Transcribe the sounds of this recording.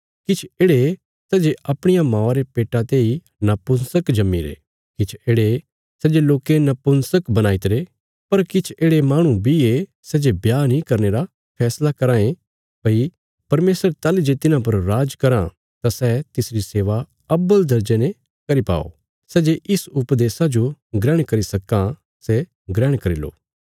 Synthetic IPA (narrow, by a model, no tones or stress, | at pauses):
kɪt͡ʃʰeːɽe | sɛːd͡ʒeɐpɽ̃ɪjamãːaɾepeːʈat̪ei | nɐpʊnsəkd͡ʒɐmːḭɾḛ | kɪt͡ʃʰeːɽe | sɛːd͡ʒeloːkenɐpʊnsəkbɐnaːit̪ɾe | pɐɾkɪt͡ʃʰeːɽemaːɽ̃ũbʱie | sɛːd͡ʒebjaːnĩkɐɾneɾa | pʰɛːslakɐɾãːẽ | pɐi | pɐɾmeːsəɾt̪aːlid͡ʒet̪ɪnãp̬ɐɾːaːd͡ʒkɐɾã | t̪asɛt̪ɪsɾiseːʋa | ɐbəld̪ɐɾd͡ʒenẽ | kɐɾipa̰ːo̰ | sɛːd͡ʒeʔɪsʊpd̪eːsad͡ʒoɡɾɛːɽ̃kɐɾisɐkã | sɛ | ɡɾɛːɽ̃kɐɾilo̰ː